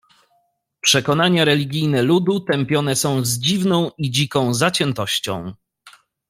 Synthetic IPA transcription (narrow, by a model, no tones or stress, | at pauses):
pʂɛkɔnaɲaɾɛlʲiɡʲijnɛlud̪ut̪ɛmpʲjɔnɛsɔ̃w̃zd͡ʑivnɔ̃w̃id͡ʑikɔ̃w̃zat͡ɕɛnt̪ɔɕt͡ɕɔ̰̃w̃